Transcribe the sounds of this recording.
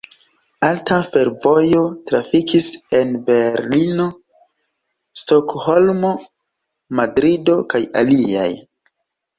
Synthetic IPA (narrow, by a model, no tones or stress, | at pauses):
altafe̞ɾvo̞jo̞tɾafikise̞nbe̞ɾlino̞ | sto̞kho̞lmo̞ | madɾido̞kaja̰lia̰j